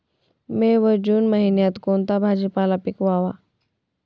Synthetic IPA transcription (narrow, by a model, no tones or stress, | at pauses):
meʋəd͡ʑuːnməɦinjãt̪kont̪abʱad͡ʑipalapikʋaʋa